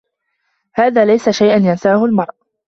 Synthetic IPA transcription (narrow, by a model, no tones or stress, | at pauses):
haːðaːlajsaʃajʔanjansaːhʊlmɑɾˤʔ